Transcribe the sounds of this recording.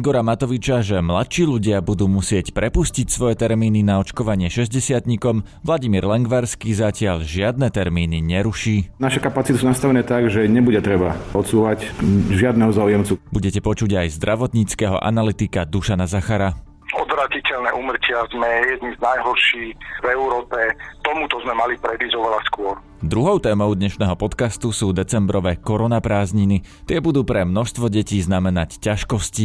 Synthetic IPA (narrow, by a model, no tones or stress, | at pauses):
iɡɔɾamat̪ɔʋit͡ʃaʒɛmlat̪ʃiːʎuɟɪabud̪uːmusɪɛcpɾɛpuscicsʋɔjɛt̪ɛɾmiːninaɔt͡ʃkɔʋaɲɪɛʃɛzɟɛsɪat̪ɲikɔm | ʋlˠaɟimiːɾlɛŋɡʋaɾskiːzacɪaʎʒɪad̪nɛt̪ɛɾmiːniɲɛɾuʃiːnaʃɛkapat͡sit̪usunast̪aʋɛnɛːt̪aɡʒɛɲɛbuɟɛt̪ɾɛbaɔt̪suːʋacʒɪad̪nɛɦɔzaujɛmt͡subuɟɛcɛpɔt͡ʃuɟajzd̪ɾʔaʋɔt̪ɲiːt͡skɛɦɔ̰ʔa̰nalit̪ikad̪uʃanazaxaɾa | ɔd̪ʋɾaːcicɛlnɛʔumr̩cɪazmɛjɛd̪niznajɦɔɾʃiːxvɛuɾɔːpɛt̪ɔmut̪ɔzmɛmalipɾɛd̪izɟɔʋɛlaskʊɔɾ | d̪ɾuɦɔʊt̪ɛːmɔʊd̪ɲɛʃnɛːɦɔpɔt̪kast̪usuːd̪ɛt͡sɛmbɾɔʋɛːkɔɾɔnapɾaːzɲinit̪ɪɛbud̪uːpɾɛmnɔʃst̪ʋɔɟɛciːznamɛnaccaʃkɔsci